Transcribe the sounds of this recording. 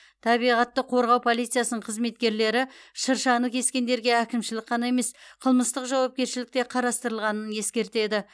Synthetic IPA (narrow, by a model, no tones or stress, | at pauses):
t̪ʰɑbijʁɑt̪ːəqʰo̞ɾʁɑwpʰo̞lˠit̪sɨjasənəɴqʰəzme̞t̪̚kʲe̞ɾle̞ɾɪʃəɾʃɑnəkʲʰe̞skʲe̞nd̪e̞ɾɡʲe̞ækʲɪmʃɪlɪk̚qʰɑne̞me̞sqʰəlˠməst̪əqʒɑwɑp̚kʲe̞ɾʃɪlɪk̚t̪eqʰɑɾɑst̪əɾəlˠʁɑnənje̞skʲe̞ɾt̪e̞d̪ɪ